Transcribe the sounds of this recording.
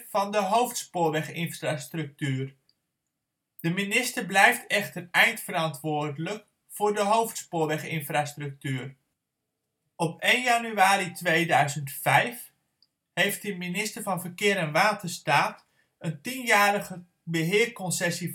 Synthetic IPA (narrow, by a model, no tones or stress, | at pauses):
fɑndəɦowftspʊːlʋɛχɪnfrastrɵk̚tyːr | d̥əminɪstəblɛjftʰɛχtərɛjntfəɾɑntʋoːrdələk | fʊːrdəɦowftspʊːlʋɛχɪnfrastrɵk̚tyːr | ɔpeːnjanyaːɾitʋejdœɥzəntfɛjf | hejftdəminɪstərvɑnvərkɪːɾɛnʋaːtʰərstaːt | əntinjaːɾəɣə | bəɦɪərkɔnsɛsi